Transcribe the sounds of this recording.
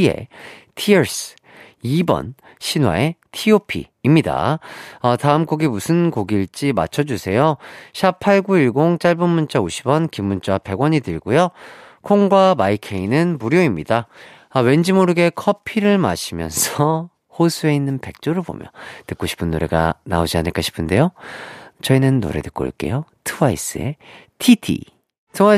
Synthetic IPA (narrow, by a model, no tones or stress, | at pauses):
ie̞̰tʰieɭs͈ɯ̥ | ibʌ̰n | ɕʰinwa̰e̞tʰiopʰḭːmɲida̰ʌtaɯmk͈oɡimusʰɯnkoɡiɭt͡ɕ͈ima̰t͡ɕʰʌd͡ʑusʰe̞joɕʰapʰaɭɡuiɭɡoŋt͡ɕ͈aɭbunmunt͡ɕ͈auɕʰibʌnkimːunt͡ɕ͈wape̞ɡwʌɲidɯɭɡujokʰoŋɡwamaikʰe̞inɯnmuɾjoimɲida | awe̞nd͡ʑimoɾɯɡe̞kʰʌpʰiɾɯɭma̰ɕʰimjʌ̰nsʰʌ | hosʰue̞inːɯnpe̞k̚t͡ɕ͈oɾɯɭbo̰mjʌ̰ntɯk͈oɕʰi̥pʰɯnːo̰ɾe̞̰ɡa̰na̰od͡ʑianɯɭk͈aɕʰi̥pʰɯnde̞jo | t͡ɕʌinɯnːo̰ɾe̞̰dɯk͈o̰ɭk͈e̞̰jotʰɯwais͈ɯḛ | tʰitʰḭ | sʰʌŋwa